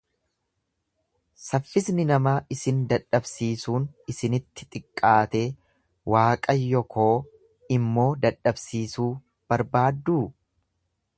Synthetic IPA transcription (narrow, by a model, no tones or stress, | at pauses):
sɐfːɪsnɪnɐmaːʔɪsɪnd̪ɐᶑːɐbsiːsuːnɪsɪnɪt̪ːɪ̥t̪ʼɪkʼːaːt̪e̞ː | wʔaːkʼɐjːɔkʰo̞ː | ɪmːo̞ːd̪ɐᶑɐbsiːsuː | b̥ɐɾbaːd̪ːuː